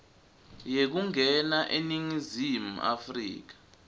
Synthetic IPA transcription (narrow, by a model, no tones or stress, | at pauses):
jek̬uŋʱɛnaʔeniŋizimua̰frḭːk̬ḁ